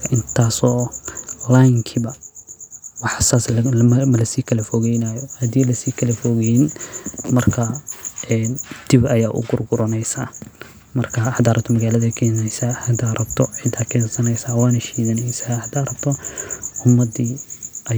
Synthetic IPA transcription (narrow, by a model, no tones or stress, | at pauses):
ʔɪnt̪ʰaːsɔːlajŋkʰibɐ | wɑħsaːslmɐlɐsiːkʰɐlɐfɔɣɛjnaːjɔhɐd̪iːlɐsiːkʰɐlɐfɔɣɛjnmɐrkʰɐɛːnd̪̥ɪbɐjaːʔʊ̰ɡʊrɡʊɾɔnɛjsaː | mɐrkʰɐhɐd̪aːɾɐb̚t̪ʰɔmɐɣaːlɐðɐkʰɛːnɛjsahɐd̪aːɾɐbt̪ʰɔʕɪd̪aːkʰɛːnsɐnɛjsaːwɑːnɐʃiːɣɐnɛjsaːhɐd̪aːɾɐbt̪ʰɔʊmːɐd̪iːʔɐ